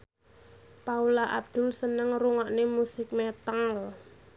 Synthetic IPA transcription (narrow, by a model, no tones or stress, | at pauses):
paulaʔa̰b̚d̪̥ʊ̤lsənəŋruŋɔʔnemusɪk̚mɛt̪al